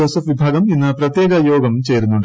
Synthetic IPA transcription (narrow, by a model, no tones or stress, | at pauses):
ɐsɐfʋibʱaːɡɐminːɐpɾɐt̪jɛːkɐjɔːɡɐmt͡ʃeːɾunuɳʈ